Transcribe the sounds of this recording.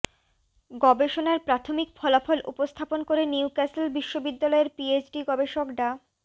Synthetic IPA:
ɡɔbeʃonaɾpɾat̪ʰomikfʰɔlafɔlʔṵpost̪ʰaponkoɾeniwkaselbiʃːobid̪ːalɔeɾpiet͡ɕɖiɡɔbeʃokɖa

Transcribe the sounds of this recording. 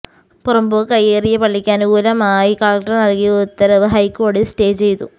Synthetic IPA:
purɐmboːkɐjːeːrijepɐɭːikʲːaːnuːlɐmaːjikɐɭɐk̚ʈɐrnɐlkijɐoɾut̪ːɐɾɐʋɨɦɐjkːo̞ːɽɨste̞ːd͡ʑt͡ɕe̞jt̪u

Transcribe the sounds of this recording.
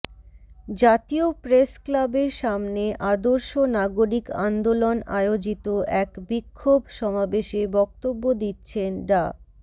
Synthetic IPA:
d͡ʑat̪iopɾesklabeɾʃamneʔad̪oɾʃonaɡoɾika̰nd̪olona̰eod͡ʑit̪oʔɛkbikʰːobʃɔmabeʃebɔk̚t̪obːod̪itːɕʰenɖa̰

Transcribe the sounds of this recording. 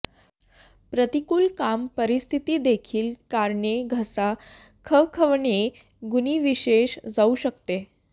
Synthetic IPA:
pɾət̪ikuːlkampəɾist̪ʰit̪iːd̪ekʰiːlkaɾɳeɡʱəsa | kʰəʋkʰəʋɳe | ɡuniːʋiɕeɕd͡zauɕəkt̪e

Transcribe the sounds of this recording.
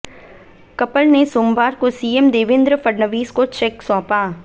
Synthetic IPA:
kɐpəlnesumbaːɾkosiːemd̪eːʋɪ̃nd̪ɾəpɐɖɳəʋiːskot͡ʃeːksɔ̃ːpaː

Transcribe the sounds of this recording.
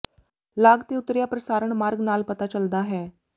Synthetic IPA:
laɡt̪eut̪ɾjapɾəsaɾəɳmaɾɡnalpət̪at͡ɕəld̪aɦɛ

